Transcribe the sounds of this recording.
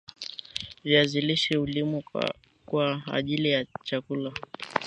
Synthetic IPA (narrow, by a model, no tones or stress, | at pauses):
viaziliʃɛulimu | kwa̰ːʄilijat͡ʃakula